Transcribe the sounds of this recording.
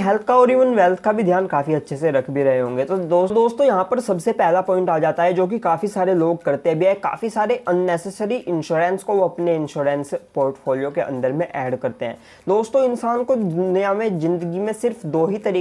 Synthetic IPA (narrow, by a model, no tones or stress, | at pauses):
ɦɛːlt̪̚ʰkaɔːɾiːʋənʋɛːlt̪ʰkabʱid̪ʱjaːnkaːfiɐtːʃʰeseɾɐkʰbʱiɾɐɦeɦõːŋɡet̪od̪oːd̪oːst̪õjɐɦãpɐɾsɐbsepɛːlapɔ̃ːɪ̃ɳʈaːd͡ʒaːt̪aɦɛd͡ʒoːk̬ikaːfisaːɾeloːɡ̚kɐɾt̪eɦɛ̃bʱiɛːka̰ːfisaːɾeʔɐnːɛːsɛsəɾiʔɪ̃nʃuːɾɛ̃nskoʋoɐpneɪ̃nʃuːɾɛ̃nspoːɾʈfoːlijokeʔɐ̰̃nd̪əɾmẽʔɛːɖkɐɾt̪eɦɛ̰̃ː | d̪oːst̪õɪ̃nsaːnkonjamẽzɪ̃nd̪əɡimẽsɪɾfd̪oːɦit̪ɐɾiː